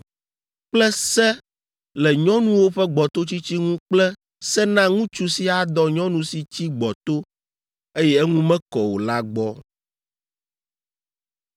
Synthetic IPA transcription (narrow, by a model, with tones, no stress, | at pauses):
k͡plɛ˦sɛ˦ | lɛ˨ɲɔ̃˦nũ˦wo˦ɸɛ˦ɡ͡bɔ˨t̪o˦t͡ɕi˦t͡ɕi˦ŋũ˦k͡plɛ˦ | sɛ˦nã˦ŋũ˦t͡ʃu˦si˦a˨d̪ɔ˦ɲɔ̃˦nũ˨˦si˨t͡ɕi˦ɡ͡bɔ˨t̪o˦ | e˦jɛ˦ɛ˦ŋũ˦mɛ̃˦kɔ˨wo˨la˦ɡ͡bɔ˦